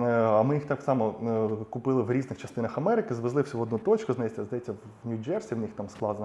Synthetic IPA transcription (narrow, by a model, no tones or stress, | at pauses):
ɐmɪjixt̪ɑksɑmɔkʊpɪlˠɪwɾʲiznɪxt͡ʃɐst̪ɪnɐxɐmɛɾɪkɪzʋɪzlˠɪwsʲɐʋɔd̪nut̪ɔt͡ʃkʊznɐjetʲsʲɐzd̪ɐjetʲt͡sʲːɐʋ | nʲʊd͡ʒɛrsʲiwnixt̪ɑmsklˠɑd̪ɐn